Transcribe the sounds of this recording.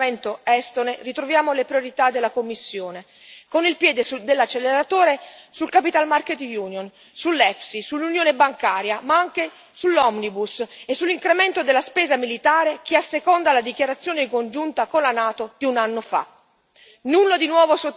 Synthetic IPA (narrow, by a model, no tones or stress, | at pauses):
ent̪oɛst̪onerit̪ɾovjaːmolepɾjoɾit̪ad̪ːelːakomːisːjoːne | konilpjɛːd̪esud̪elːat͡ʃːelːeɾat̪oːɾesulkapit̪almarket̪juːnjon | sulːɛfsisulːunjoːnebaŋkaːɾjamaaŋk̟e | sulːɔmnibusesːulːiŋkɾement̪od̪elːaspeːzamilit̪aːɾek̟iasːekond̪alad̪ik̟jaɾat̪sːjoːnekond͡ʒunt̪akonlanaːt̪od̪iunanːofa̰ | nulːod̪inwɔːvoso